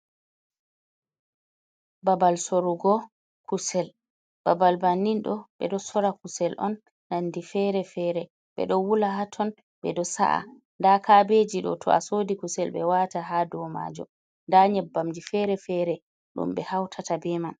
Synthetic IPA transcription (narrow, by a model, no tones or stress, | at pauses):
babalsoɾuɡɔ | kusɛl | b̥abalbanːinɗɔɓɛ̰ɗɔsɔɾakusɛlʔɔ̰nː | andifɛɾɛfɛɾɛ | ɓɛ̰ɗɔwulaɦatʰɔn | ɓɛɗɔsa̰ʔa̰ | ndakabed͡ʒiɗɔ̰tʰɔ̰asodikusɛlɓɛwataɦadɔma̰ːd͡ʒɔ̰ | ndaɲɛbːamd͡ʒifɛɾɛfɛɾɛ | ɗṵmɓɛhawtʰatabɛman